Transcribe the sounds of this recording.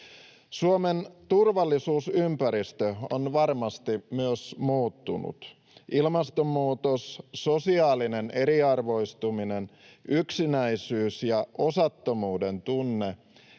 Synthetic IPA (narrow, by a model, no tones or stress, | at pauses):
suoment̪urʋɑlːisuːsympæɾist̪øo̰nʋɑrmɑst̪imyøsmuːt̪ːunṵt̪ | ʔilmɑst̪omːuːt̪ossosiɑːline̞nʔe̞ɾiɑrʋo̞ist̪umine̞n | ʔyksinæisyːsjɑʔosɑt̪ːo̞muːde̞nt̪unːe